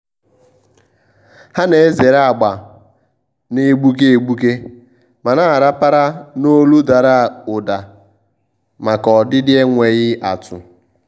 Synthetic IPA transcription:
ha˦ne˨e˦ze˨ɾa˨ɡ͡ba˨ | ne˦ɡ͡bu˦k̬e˦e˨ɡ͡bu˦ke˦ | ma˨na˦˨ɾa˦pa˦ɾa˦no˦lu˦da˨ɾa˦˨ʊ˨da˨ | ma˨kɔ˨dɪ˦dɪ˦e˦ŋʷe˨ɣɪ˦ʔa˨tʰʊ̰˨

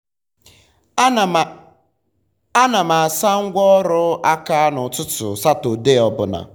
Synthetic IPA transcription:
a˦na˨ma˨a˨sa˦ŋ̩˦ɡʷɔ˦ɾʊ˦a˦ka˦nʊ˨tʊ˦tʊ̰˨sa˦to˨de˦ɔ˨bʊ˨na̰˨

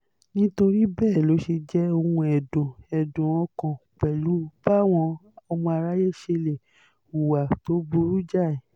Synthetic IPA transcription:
nĩ˦to˧ɾi˦bɛː˦˨lo˨˦ʃe˧d͡ʒɛ˦o˧hũ˧ɛ˨dõ˨ɛ˨dũ˨wɔ̃˧kɔ̃˨k͡pɛ˨lu˨˦ba˦˨w̃ɔ̃˧ɔ˧mɔ̃˧a˧ɾa˦je˦ʃe˧le˨ | u˨wa˨to˨˦bu˧ɾu˦d͡ʒa˦˨ɛ˨

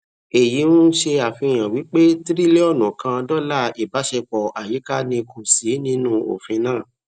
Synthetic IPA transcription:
e˨ji˨˦nu˦ʃe˧a˨fĩ˧˨j̃ã˨wi˨˦k͡pe˦tɾi˦le˦ɔ˦˨nɔ̃˨kã˧dɔ˦la˦˨i˨ba˨˦ʃe˧k͡pɔ˨ʔa˨ji˨˦ka˦nĩ˧kʰo˨si˨˦nĩ˦nũ˦o̰˨fĩ˧nãː˦˨

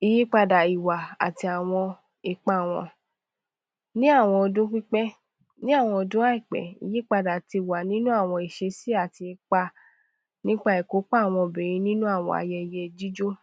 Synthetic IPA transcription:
i˧ji˦k͡pa˧da˨i˨wa˨a̰˨ti˧a˨w̃ɔ̃˧ | e˧k͡pa˦˨w̃ɔ̰̃˧ | nĩ˦a˦˨w̃ɔ̃˧ɔ˧dũ˦k͡pĩ˦k͡pɛ˦ | nĩ˦a˦˨w̃ɔ̃˧ɔ˧dũ˦a˦i˦˨k͡pɛ̰˨ḭ˨˧ji˦k͡pa˧da˨ti˧i˨wa˨nĩ˦nũ˦a˦˨w̃ɔ̃˧i˨ʃe˧si˦a˦˨ti˧e˧k͡pa˦˧ | nĩ˦k͡pa˦ɛ˨ko˨˦k͡pa˦˨w̃ɔ̃˧˨be˨ɾĩ˧˦nĩ˦nũ˦a˦˨w̃ɔ̰̃˧˦a̰˧jɛ˧˨jɛ˧d͡ʒi˦d͡ʒo˦

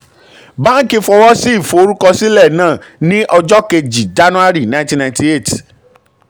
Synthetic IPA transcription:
ba˦ki˧fɔ˧wɔ˦si˦i˦˨fo˨o˧ɾu˦kɔ˧si˦lɛ˦˨nãː˦˨nĩ˦ʔɔ˧d͡ʒɔ˦ke˧d͡ʒi˨d͡ʒa˨˦nũ˦a˦ɾi˦˨nã˨˦tĩ˦nã˧j̃ti˦e˦˨ti̥˨

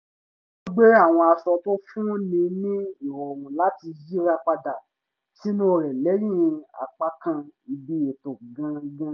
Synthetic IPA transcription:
o˧ɡ͡be˦a˦˨w̃ɔ̃˧a˧sɔ˧to˦fũ˦nĩ˧nĩ˦i˦˨ɾɔ˨wũ˨la˨˦ti˧ji˦ɾa˧k͡pa˧da˨ | si˦ñ˦˧˨ɾɛ˨lɛ˨˦jĩ˦˨˧a̰˨k͡pa˧kã˧i˧bi˦e˨to˨ɡã˧ɡã˧

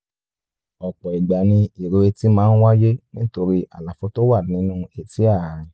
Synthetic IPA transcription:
ɔ˨k͡pɔ˨i˨ɡ͡ba˨nĩ˧i˨ɾo˧e˧ti˦mãː˨˦n̩˦wa˦je˦nĩ˦to˧ɾi˦ʔa̰˨la˨fɔ˧˦to˦wa˦˨nĩ˨˦nũ˦e˨ti˨˦a˦˨ɾi˧

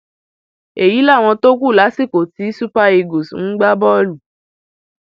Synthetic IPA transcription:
e˨ji˨˦la˦˨w̃ɔ̃˧to˦k̬u˦˨la˨˦si˦˨ko˨ti˨˦su˦pa˦e˧ɡo˨sũ˨˦ɡ͡ba˦bɔ˦lu˨

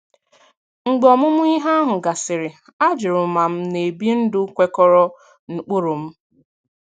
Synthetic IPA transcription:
ŋ͡m̩˨ɡ͡bɔ˨mʊ˦mʊ˦i˦ɦa˦a˦ɦʊ˨ɡa˨sɪ˨ɾɪ˨ | a˦d͡ʒɪ˨ɾʊ˨ma˨m̩˦ne˨bi˦n̩˦dʊ˦kʷe˦kɔ˦ɾɔ˦ | n̩˦k͡pʊ˦ɾʊ˨m̩˦

